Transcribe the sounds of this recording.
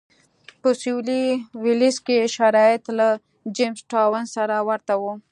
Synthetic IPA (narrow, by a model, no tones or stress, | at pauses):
pəsiliwɪliskeʃaɾɑjɪt̪la | d͡ʒemsʈawənsaɾawaɾt̪awo